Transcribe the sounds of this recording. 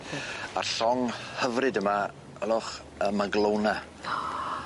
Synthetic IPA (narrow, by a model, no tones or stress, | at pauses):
a̰rɬɔŋhəvrɨdəma | əlˠʊχ | əmaɡlˠowna